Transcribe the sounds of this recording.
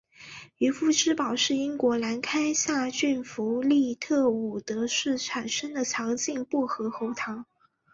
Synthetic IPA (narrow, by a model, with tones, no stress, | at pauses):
y˧˥fu˥˩ʈ͡ʂɻ̩˥pɑ˨˩ʊʂɻ̩˥˩i˥ŋkwɔ˧˥la˧˥nkʰa˥ɪɕja˥˧t͡ɕy˥˩nfu˧˥li˥˧t̪ʰɤ˥˩u˨˩t̪ɤ˧˥ʂɻ̩˥˩ʈ͡ʂʰa˨˩nʂə˥ŋd̪ə˨t͡ɕʰjɑ˧˥ŋt͡ɕi˥˧ŋpu˥˩xɤ˧˥xo˧˥ʊt̪ʰɑ˧˥ŋ